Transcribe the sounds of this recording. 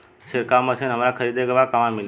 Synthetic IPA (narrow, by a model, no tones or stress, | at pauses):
ʃeɾkaməsʰenɦəmɾakʰəɾid̪eɡəʋakaʋãmil